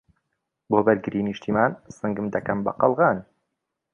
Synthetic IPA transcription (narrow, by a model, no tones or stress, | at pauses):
boːbɐɾɡɨɾiːniʃt̪ʰiːmaːnsɨŋɡɨmd̪ɐkɐmbɐ̰qɑlˠɣɑːn